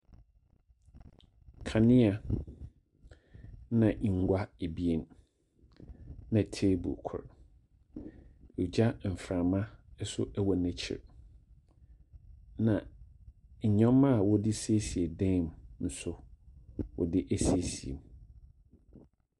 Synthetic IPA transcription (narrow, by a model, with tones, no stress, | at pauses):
kʰa˨nɪ̃˦a˨ | nã˨ʔŋ̩˨ɡʷa˦e˨bi˦e˦˨n | nã˨tʰeː˦bʊ̰˨kʰʊ̰˨ɾ | ɔ˨d͡ʑa˦m̩˨fɾã˨mã˦ɛ˦sʊ̰˦ʔæ˦wɔ˨nɛ̃˦t͡ɕʰɪ̰˨ɾ | nã˨ | ɲ̩˨ɲɔ̃˦mã˦˨wɔ˦dɪ˦se˦si˨e˨dɛ̃˦˨m˨n̩˨sʊ˦ | wɔ̰˨dɪ˦ʔæ˦se˦si˨ḛ˨m